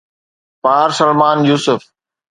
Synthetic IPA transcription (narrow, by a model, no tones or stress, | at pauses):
paːɾsəlmaːnjuːsʊf